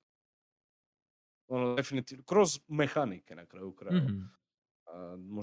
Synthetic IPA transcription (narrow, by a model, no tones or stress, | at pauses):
ɔnɔd̪ɛfinit̪ikɾɔzmɛxanikɛnakɾajukɾaj | mɔ